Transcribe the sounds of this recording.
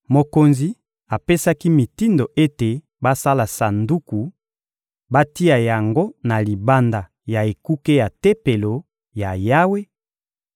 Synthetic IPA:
mo˨ko˨nzi˨ | a˨pe˦sa˦ki˦mi˨ti˦ndo˨ʔe˦te˨ | ba˦sa˦la˨sa˨ndu˦ku˨ | ba˦ti˦a˨ja˨ŋɡo˦na˨li˨ba˦nda˨ | ja˨e˨ku˦ke˦ja˨te˦pe˨lo˨ | ja˨ja˦we˦

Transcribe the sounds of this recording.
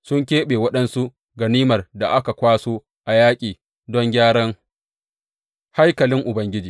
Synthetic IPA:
sʊ˦ŋkʲeː˦ɓeː˨wɐ˦ɗɐ˦nsu˦ | ɡɐ˨niː˦mɐ˨rda˨ʔa˦ka˨kʷaː˦soː˦ | ʔa˨jaː˦kʲʼiː˨ | dɔ˦ŋɡʲaː˦ɽɔ˦ŋ | ha˦jkɐ˨lɪ˦ŋʔʊ˨bɐ˦ŋɡʲɪ˦d͡ʒiː˨

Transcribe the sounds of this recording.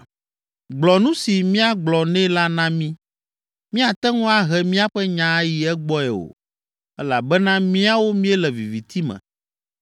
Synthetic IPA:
ɡ͡blɔ˨nũ˦si˨mĩ˦a˦ɡ͡blɔ˨nɛ̃˦la˦nã˦mĩ˦ | mĩ˦a˨t̪ɛ˦ŋɔ̃˦a˦ɦɛ˨mĩ˦a˦ɸɛ˦ɲã˨˦ji˨ɛ˦ɡ͡bɔ˦ɛ˨o̰˨ | ɛ˦la̰˨bɛ˦nã˦mĩ˦a˦wo˦mĩ˦ɛ˦lɛ˨vḭ˨vi˨t̪i˦mɛ̰̃˨

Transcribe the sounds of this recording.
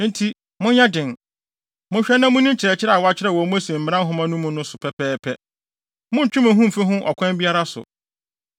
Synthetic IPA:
n̩˦tʰi˦ | mʊ̃˦ɲã˦dɪ̃˨n | mʊ̃˦ɕᶣɛ˦nːã˦mʊ̃˦nĩ˦nt͡ɕʰɪ˨ɾɛ˨t͡ɕʰɪ˦ɾɛ˦˨a˨wɔ˨˦a˦t͡ɕʰɪ˦ɾɛ˨wɔ˨˦mʊ̃˦æ˦sĩ˨m̩˨m˨˦ã˦ɦʊ̃˦mã˦nũ˦mũ˦nʊ̃˦sʊ˨pʰɛ˦pʰɛː˦pʰɛ˦ | mʊ̃˦n̩˨t͡ɕᶣʊ̃˦mæ̃˨ɦũ˦m̩˨fɛ˦ɦʊ̃˦ʔɔ̰˨kʷʰɛ̃˦m˦bi˦a˦ɾa˦sʊ̰˨

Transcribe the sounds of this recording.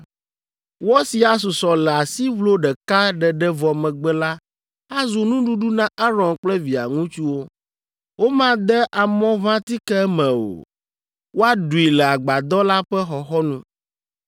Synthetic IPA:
wɔ˦si˨a˨s̬u˨sɔ˨lɛ˨a˨si˦vlo˦ɖɛ˨ka˦ɖɛ˨ɖɛ˦vɔ˨mɛ̃˨ɡ͡bɛ˦la˦ | a˦zu˨nũ˦ɖu˦ɖu˦nã˦ʔa˦ɾɔ̃˨nk͡plɛ˦vi˨a̰˨ŋũ˦t͡ʃu˦wo˦ | wo˦mã˦d̪ɛ˦ʔa˨mɔ̃˦vã˦t̪i˦kɛ˦ɛ˦mɛ̃˨o̰˨ | wo˦a˦ɖu˨i˨lɛ˨a˨ɡ͡ba˨d̪ɔ˦la˦ɸɛ˦xɔ˨xɔ˦nũ˦

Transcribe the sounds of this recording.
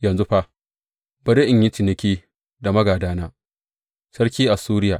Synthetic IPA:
jɐ˨nzu˦ɸa˦ | bɐ˨ɾe˦ʔɪ˨ɲji˦t͡ʃɪ˨nɪ˦kʲiː˦ | da˨mɐ˦ɡaː˨daː˦naː˦ | sɐ˦rkʲiː˦ʔa˨suː˦ɾɪ˦jaː˨ʔ

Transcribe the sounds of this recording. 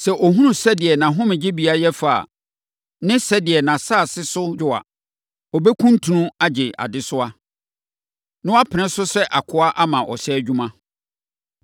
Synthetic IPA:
sɛ˨ʔɔ˨ɦũ˦nʊ̃˨sɛ˦dɪ˨ɛ˨nã˨ɦʊ̃˦mɪ̃˨d͡ʑɪ˦bi˨˦a˦jɛ˦fa̰˨ | nɪ̃˦sɛ˦dɪ˨ɛ˨nã˨saː˦˨sɪ˦sʊ˦d͡ʑʊ˨a̰˨ | ɔ˨bɛ˦kʰũ˦n˦tʰu˨nʊ̃˦a˦d͡ʑɪ˨ʔa̰˨dɪ˦sʊ˦a˦ | nɪ̃˦a˦pʰɪ˨nɪ̃˦sʊ˦sɛ˦ʔa˨kʰʊ˨˦a˦ʔa˦mã˨ʔɔ̰˨sɛ˦æ˨d͡ʑᶣũ˦mã˦

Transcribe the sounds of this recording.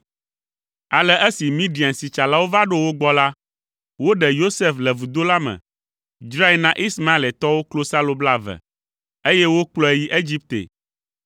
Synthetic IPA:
a˨lɛ˨ʔɛ˦si˨mĩ˦ɖi˨a˨nsi˨t͡ʃa˨la˦wo˦va˦ɖo˦wo˦ɡ͡bɔ˦la˦ | wo˦ɖɛ˨jo˦se˦flɛ˨vu˨d̪o˦la˦mɛ̰̃˨ | d͡ʒɾa˦ɛ˦lnã˦ʔi˦sma˦i˨lɛ˨t̪ɔ˦wo˦klo˦sa˦lo˨bla˦˨vɛ̰˨ | e˦jɛ˦wo˦k͡plɔ˦ɛ˨ji˦ʔe˦d͡ʑi˦p̚t̪ḛ˨

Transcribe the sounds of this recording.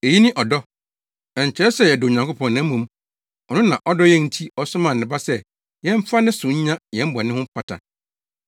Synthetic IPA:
e˨ji˦nɪ̃˦ʔɔ˨dɔ˦ | ɛ˨ɲ̩˨t͡ɕʰɛ˦ɾɛ˦sɛ˦˨jɛ˨dʊ˨ɲã˨ŋkʰʊ˦pʰɔ̃˨nːã˨˦mũ˨m | ɔ˨nʊ̃˦nã̰˨ʔɔ˦dɔ˦jɛ̃˦n̩˨tʰi˦ɔ˨sʊ˦mã˨n̩ː˨ɪ̃˨ba˦sɛ˦ | jɛ̃˦m̩˦fa˦nɪ̃˦sʊ̃˨ɲ̩˦ɲã˦jɛ̃˨m̩˦bɔ˨nɪ̃˦hʊ̃˦pʰa˨tʰa̰˨

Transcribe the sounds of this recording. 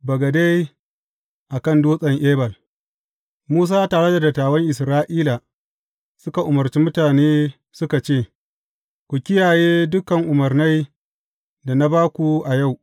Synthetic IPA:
bɐ˨ɡɐ˨da˦j | ʔa˨kɐ˦˨nduː˦sʼɐ˨ŋʔeː˦bɐ˨l | muː˦s̬aː˦taː˨ɽe˦da˨dɐ˨tːaː˨wɐ˦ŋʔɪ˨sɾaː˦ʔiː˦la˨ | sʊ˦ka˨ʔʊ˨mɐ˨rt͡ʃi˦mʊ˦taː˨neː˦ | sʊ˦ka˨t͡ʃeː˦˨ | kʷu˨kʲɪ˦jaː˨jeː˦dʊ˦kɐ˨ŋʔʊ˨mɐ˨rna˦j | da˨na˦baː˦kʷu˨ʔa˨ja˦˨w

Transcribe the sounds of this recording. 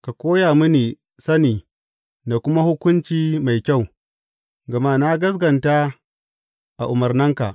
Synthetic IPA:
ka˨kʷoː˦jaː˨mʊ˦niː˨ | sɐ˦niː˨ | da˨kʷʊ˦ma˦hʊ˦kʷʊ˦nt͡ʃiː˦ma˨jkʲa˦˨w | ɡɐ˨ma˦na˦ɡɐ˦s̬ɡɐ˨nta˦ | ʔa˨ʔʊ˨mɐ˨rnɐ˦ŋka˨ʔ

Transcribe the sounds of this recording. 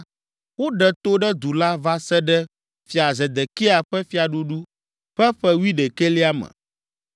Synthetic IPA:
wo˦ɖɛ˨t̪o˦ɖɛ˦d̪u˨la˦va˦sɛ˦ɖɛ˦ | fi˨a˨zɛ˨d̪ɛ˨ke˦a˨ɸɛ˦fi˨a˨ɖu˦ɖu˦ | ɸɛ˦ɸɛ˦wi˦ɖɛ˨ke˦li˦a˦mɛ̰̃˨

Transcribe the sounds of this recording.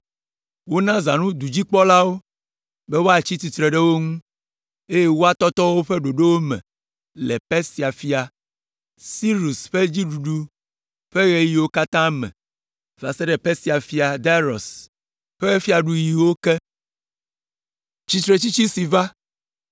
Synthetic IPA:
wo˦nã˦za̰˨nũ˦d̪u˨d͡ʑi˦k͡pɔ˦la˦wo˦ | bɛ˦wo˦a˨t͡ɕi˦t̪i˨t̪ɾe˨ɖɛ˦wo˦ŋũ˦ | e˦je˦wo˦a˨t̪ɔ˦t̪ɔ˦wo˦ɸɛ˦ɖo˨ɖe˦wo˦mɛ̰̃˨ | lɛ̰˨pɛ˦si˨a˨fi˦a˨ | si˦ɾu˨sɸe˦d͡ʑi˦ɖu˨ɖu˦ | ɸe˦ɣe˦ji˨wo˦ka˦t̪ã˦mɛ̰̃˨ | va̰˨se˦ɖɛ˨pɛ˦si˨a˨fi˦a˨d̪a˦ɾɔ̰˨s | ɸe˦ɣe˦fi˦a˨ɖu˦ji˨wo˦kɛ˦ | t͡ɕi˦t̪ɾe˨t͡ɕi˦t͡ɕi˦si˨va˦

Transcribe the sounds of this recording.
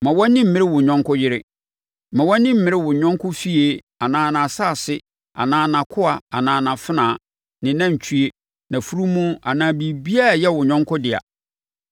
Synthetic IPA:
mã˨wɔ̃˦nĩ˦m̩˨mɪ̃˦ɾɪ˦wʊ˨ɲᶣɔ̃˦ŋkʰʊ˦jɪ˦ɾɪ˦ | mã˨wɔ̃˦nĩ˦m̩˦mɪ̃˨˦ɾɪ˦wʊ˨ɲᶣɔ̃˦ŋ˦kʰʊ˦fi˦e˦ | a˨nãː˨nã˨saː˦˨sɪ˦ | a̰˨nãː˨nã˨kʰʊ˦a˨a˨nãː˨nã˨fɪ˦nãː˨ | nɪ̃˨nã˦˨t͡ɕʰu˦e˦ | nã˨fu˦ɾu˦mũ˦a˨nãː˨˦˨bi˨bi˦a˦˨jɛ˦wʊ˨ɲᶣɔ̃˦ŋ˦kʰʊ˦dɪ˨a̰˨

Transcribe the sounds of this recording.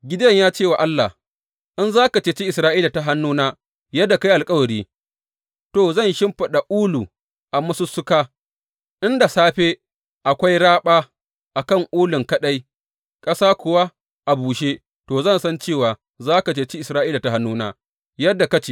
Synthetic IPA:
ɡʲɪ˦dɐ˦ɲjaː˦t͡ʃeː˦˨wa˨ʔa˦lːa˨h | ʔɪ˦nzaː˦ka˨t͡ʃeː˨t͡ʃi˦ʔɪ˨sɾaː˦ʔiː˦la˨ta˦ɦa˦nːuː˦naː˦ | jɐ˦dːa˨ka˦jʔa˨lkʼɐ˦wɐ˨ɽiː˦ | toː˨zɐ˦˨nʃɪ˦mɸɐ˨ɗa˨ʔuː˦lu˨ | ʔa˨mɐ˦su˦sʊ˦kaː˦ | ʔɪ˦nda˨saː˦ɸeː˦ | ʔa˨kʷa˦jɽaː˦ɓaː˦ | ʔa˨kɐ˦˨ŋʔuː˦lʊ˨ŋkɐ˦ɗa˦j | kʼɐ˦saː˦kʷʊ˨wa˦ | ʔa˨buː˨ʃe˦ | toː˨zɐ˦˨nsɐ˦nt͡ʃeː˦˨waː˨ | zaː˦ka˨t͡ʃeː˨t͡ʃi˦ʔɪ˨sɾaː˦ʔiː˦la˨ta˨ɦa˦nːuː˦naː˦ | jɐ˦dːa˨ka˦t͡ʃe˨

